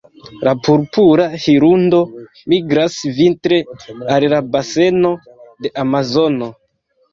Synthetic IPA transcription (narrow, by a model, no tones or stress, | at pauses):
lapuɾpuɾahiɾundo̞ | miɡɾasvintɾe̞allabase̞no̞ | de̞ʔamazo̞no̞